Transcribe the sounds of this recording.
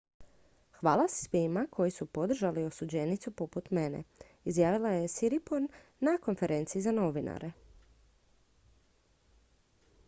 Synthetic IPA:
xʋaːlˠassʋimakʰo̞jisupo̞d̪r̩ʒalio̞sud͡ʑenit̪supo̞put̪me̞nḛ | izjaːʋilˠajesiɾiponːako̞nfe̞ɾe̞ːnt̪siːzano̞ʋina̰ɾe̞

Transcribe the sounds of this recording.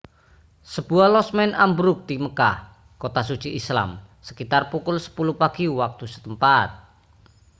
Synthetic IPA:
səb̥ualɔsmɛnambɾʊk̚t̪iməkah | kot̪asud̥t͡ʃiʔisla̰m | sə̥kit̪arpukʊlsə̥pulupaɡ̥iwak̚t̪usə̥t̪əmpat̪̚

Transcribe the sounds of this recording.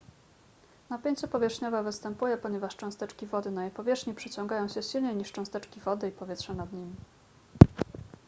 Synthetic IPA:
napʲeɲt̪supɔvʲɛʂɲɔvɛvɘst̪ɛmpujɛpɔɲɛvaʂt͡ʂɔ̃w̃st̪ɛt͡ʂkʲivɔd̪ɘnajejpɔvʲjɛʂɲipʂɘt͡ɕɔ̃ŋɡajɔ̃w̃ɕɛɕilɲejɲiʂt͡ʂɔ̃st̪ɛt͡ʂkʲivɔd̪ɘipɔvʲjɛt̪ʂɛnad̪ɲimʲi

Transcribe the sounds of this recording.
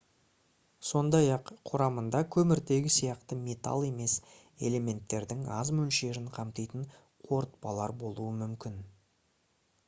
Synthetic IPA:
so̞nd̪ɑjɑqqʰʊɾɑmənd̪ɑkʲʰɵmɪɾd̪e̞ɡʲɪsijɑqt̪əmʲe̞t̪ɑ̰lˠe̞me̞s | e̞̰le̞me̞nt̪ːe̞ɾd̪ɪŋɑ̰zmɵlʃe̞ɾɪɴqʰɑmt̪ijt̪əɴ | qʰo̞ɾt̪̚pɑlˠɑ̰ɾbo̞lˠuəmʏmkʲɪn

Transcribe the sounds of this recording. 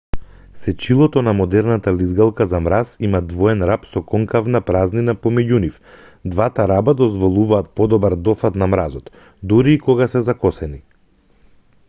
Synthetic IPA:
sɛt͡ʃilˠɔt̪ɔnamɔd̪ɛɾnat̪alizɡalˠkazamɾasimad̪vɔɛnɾapsɔkɔŋkavnapɾazninapɔmɛɟunif | d̪vat̪aɾabad̪ɔzvɔlˠuvaːt̪̚pɔd̪ɔbaɾd̪ɔfat̪namɾazɔt̪ | d̪uɾiːkɔɡasɛzakɔsɛni

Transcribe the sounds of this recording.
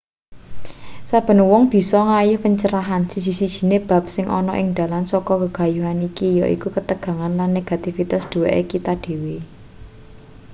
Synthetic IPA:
sab̥ə̤nwɔŋb̥i̤sɔŋajʊhpəɲt͡ʃəɾaɦansisisid̥ʒ̥i̤neb̥a̤p̚sɪŋʔɔ̰nɔ̰ʔɪŋd̪̥ä̤lansɔkɔkəɡ̥a̤juɦanikijɔʔḭkukət̪əɡ̥ä̤ŋanlanːeɡ̥at̪ifit̪asd̪̥ṳwaʔekit̪aɖ̪̥e̤we

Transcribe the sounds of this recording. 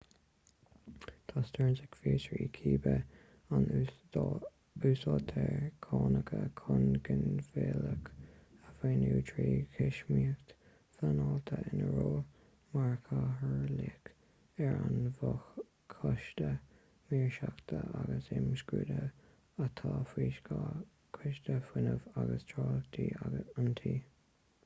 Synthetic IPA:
t̪ʰast̪əɹnsɪkfiːsɹiːkʰiːbə | an | uːsɑːt̪ʰɛɹkʰɑːnəkʰəkʰʊnɡənfeːləkəfeːnuːtʰɹiːkʰɪʃmiːxt̪ | fanɔlt̪ʰəʔɪnəɹoː | maɹkʰaɦəɹlɪk | ɛɹanvɔx | kʰːɔʃtə | miːɹʃakt̪ʰəʔaɡəsɪmskɹuːd̪ə | ət̪ʰaːfiːʃkʰa | kʰɪʃt̪əfwɪnəvaɡəstʰɹɑːlt̪ʰiːaɡəant̪ʰiː

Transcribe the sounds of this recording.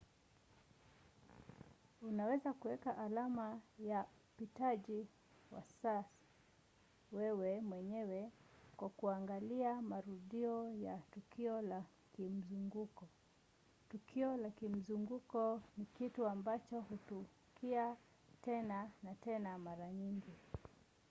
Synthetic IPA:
unawɛzakuwɛkaʔːlamajaupitaʄi | wa̰sasḁ | wɛwɛmwɛɲɛwɛkwakuaŋɡaliamaɾuɗiɔjatukiɔla | kim̩zuŋɡukɔ | tukʰiɔlakim̩zuŋɡukɔnikituambat͡ʃɔhutu | kia | tɛnanatɛnamaɾaɲiŋɡi

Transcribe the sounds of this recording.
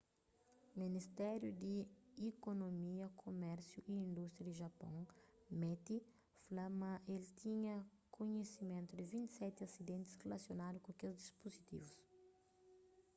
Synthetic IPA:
minist̪ɛɾjud̪iikonomiɐkʰomɛɾsjuʔiĩnd̪ust̪ɾjɐd̪iʒɐpõŋmɛt̪i | flamɐ̃ʔelt̪ʰĩɲɐ | koɲesimẽnt̪ud̪ɪvĩnt̪i̥sɛt̪iɐsid̪ẽnt̪ɪsrelɐsjonad̪ukõkelzd̪ispozit̪ḭvus

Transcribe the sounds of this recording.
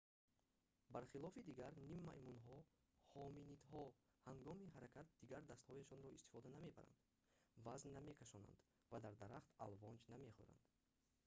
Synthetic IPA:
baɾχilɔfid̪iɡaɾnimːa̰jmunɦɔ | hɔminit̪hɔhaŋɡɔmiɦaɾakʰat̪̚d̪iɡaɾd̪ast̪hɔjaʃɔnɾɔist̪i̥fɔd̪aname̞ba̰ɾa̰nd̪ | vaznːame̞kʰaʃɔna̰nd̪ | vad̪aɾd̪aɾaχt̪alvɔnd͡ʒname̞χṵɾa̰nd̪̥

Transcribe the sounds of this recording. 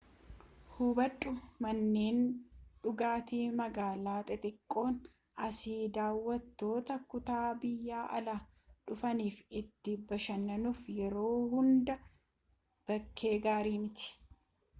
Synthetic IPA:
hubɐᶑʼːʊmɐnːeːnᶑʊɡaːt̪iːmɐɡaːlaːt̪ʼɛt̪ʼɪkʼːo̞ːn | ɐsiːd̪aːwːɐt̪ːo̞ːt̪ɐkʊt̪aːbɪjːaːʔɐlaː | ᶑʊfɐniːfɪt̪ːɪbɐʃɐnːɐnuːfjɛɾo̞ːhʊnd̪ɐ | b̥ɐkʰːe̞ːɡaːɾiːmɪt̪ɪ̥

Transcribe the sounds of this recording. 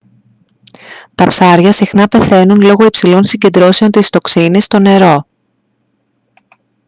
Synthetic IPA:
t̪ɐpsɐɾʝɐsixnɐpe̞θe̞nunlo̞ɣo̞ipsilo̞nsiɲɟe̞nd̪ɾo̞se̞o̞nt̪ist̪o̞ksinist̪o̞ne̞ɾo̞

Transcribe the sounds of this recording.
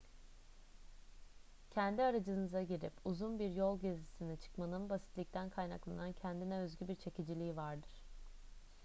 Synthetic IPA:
cʰɛnd̪iaɾad͡ʒɯnɯzaɟiɾipuzunbiɾjo̞lˠɟezisinit͡ʃʰɯ̥kmanɯnbasit̪lʲic̚t̪ʰænkʰajna̰klˠa̰nancʰɛnd̪inɛø̞zɟybiɾt͡ʃʰe̞cid͡ʒilʲiːivaɾd̪ɯɾ̥

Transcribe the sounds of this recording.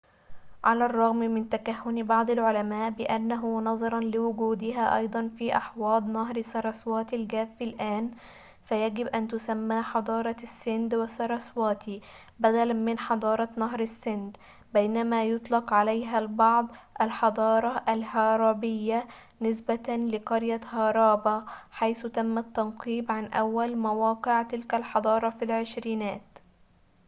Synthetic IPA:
ʕalarˤːɑɣmmɪnt̪akaɦːʊnbɑʕd̪ˤɪlʕʊlamaːʔbɪʔanːaɦʊnɑzˤɑɾˤɑnlɪwʊɡuːd̪ɪɦaːʔɑ̰jd̪ˤɑnfiːʔɑħwɑːd̪ˤnɑɦɾsɑɾˤɑswɑːt̪ilɡæːfːilʔaːn | fajaɡɪbʔant̪ʊsamːaːħɑd̪ˤɑːɾˤɑsːɪnd̪wɪsɑɾˤɑswɑːt̪ʰi | bæd̪ælamɪnħɑd̪ˤɑːɾˤɑnɑɦɾasːɪnd̪ | bejnæmæːjʊt̪ˤlɑqʕalajɦælbɑʕd̪ˤʔalħɑd̪ˤɑːɾˤɑʔalɦɑːɾˤɑːbɪjːa | nɪsbalɪqɑɾjahɑːɾˤɑːbaħajθʊt̪æmːat̪ːɑnqiːbʕanʔæ̰wːælmawɑːqɪʕt̪ɪlkælħɑd̪ˤɑːɾˤɑfilʕɪʃɾiːnæːt̪

